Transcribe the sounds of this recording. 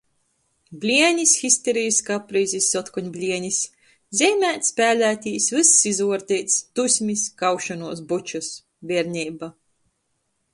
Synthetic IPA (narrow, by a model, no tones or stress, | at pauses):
blʲiɛɲʲisxisʲt̪eɾijskapɾiːzʲisʲːɔt̪kɔɲʲblʲiɛɲʲis | zʲɛjmʲæːt̪ʲspʲæːlʲæːt̪ʲiːsvɨsːizuɔɾt̪ʲiːt̪st̪usʲmʲiskawʃɔnuɔsbut͡ʃus | bʲiɛɾɲʲiːba